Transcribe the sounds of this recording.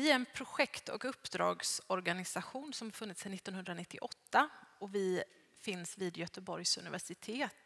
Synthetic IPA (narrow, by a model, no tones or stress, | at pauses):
ɪæɾɛnpʰɾʊɧɛkt̪ɔ̰kɵpːd̪ɾɑ̰ːɡsɔɾɡanɪsaɧuːnsɔmhaɾfɵnːɪt̪sɛnɪt̪ːɔnɦɵnd̪ɾanɪt̪ːɪʔɔt̪ːaɔvɪ | fɪnsviːd̪jœt̪əbɔɾjsɵ̰nɪvæʂɪt̪ʰeːt̪